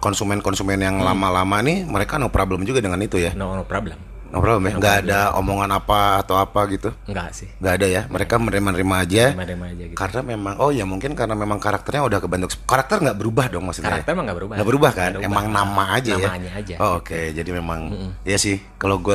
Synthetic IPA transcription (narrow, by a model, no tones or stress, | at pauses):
kɔnsumɛnkɔnsumɛnjaŋlamalamaniməɾekanopɾobləmd͡ʒuɡadəŋanit̪ujannpɾobləm | nopɾobləmjaŋɡaːdao̰moŋanapaːt̪awapaɡit̪uŋɡasɪhŋɡaːdajaməɾekamənɾimənəɾimaːd͡ʒaimad͡ʒaɡkaɾənamemaŋʔɔjamuŋkɪnkaɾənamemaŋkaɾak̚t̪ərɲaudahkəbant̪ukskaɾak̚t̪ərŋɡaʔbəɾubahdɔŋmaksuamaŋɡabəɾubŋɡaʔbəɾubahkanemaŋnamaːd͡ʒajaad͡ʒaooked͡ʒadimemaŋjasɪh | kaloɡua